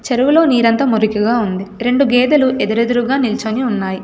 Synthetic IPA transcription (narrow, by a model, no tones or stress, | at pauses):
t͡ʃeɾuʋulo̞ːniːɾɐnt̪ɐmuɾikiɡaːund̪iɾe̞ɳɖuɡeːd̪ɐluʔed̪uɾed̪uɾuɡaːnilt͡ʃoniunːaːji